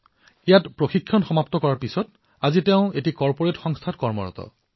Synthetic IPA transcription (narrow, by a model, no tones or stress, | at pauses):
ejatpɹoxikʰːjɔnxɔmaptɔkɔɹaɹpisɔt | azitɛʊ̃etikɔɹpoɹetxɔŋst̪ʰatkɔɹmɔ̰ɹɔ̰tɔ̰